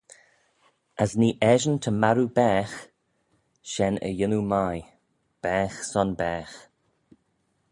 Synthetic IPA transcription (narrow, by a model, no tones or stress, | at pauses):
əsniːʔɛʒənt̪ʰəmaɾubɛːx | ʃɛnə̰jɪnumaj | b̥ɛːxsɔnbɛːx